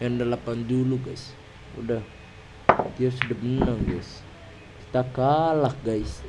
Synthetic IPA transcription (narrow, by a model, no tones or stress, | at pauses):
jaŋdalapanduluɡais | udah | d̪iasudabənəŋɡais | ki̥t̪akalakɡais